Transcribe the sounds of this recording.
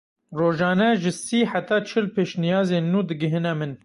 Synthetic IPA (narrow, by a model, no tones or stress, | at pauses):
roːʒɑːnɛʒɨsiːħat̪ɑːt͡ʃʰɪlpʰeːʃnijɑːzeːnːuːd̪ɨɡɨɦɨnɛmɨn